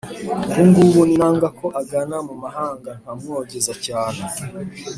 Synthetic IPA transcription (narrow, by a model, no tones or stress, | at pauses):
ɡuŋɡuɡuninaːŋɡako̞ʔaɡanamumaɦaːŋɡan̥amuoɟezacaːn̥e